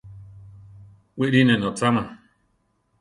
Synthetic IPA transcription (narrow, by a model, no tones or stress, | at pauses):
wiʔɾinẽnõt͡sama